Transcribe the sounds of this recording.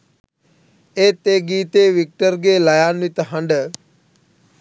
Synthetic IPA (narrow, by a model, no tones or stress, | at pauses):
eːt̪eːɡiːt̪eːʋik̚ʈəɾɡeːlɐjaːnʋit̪əɦəɳɖə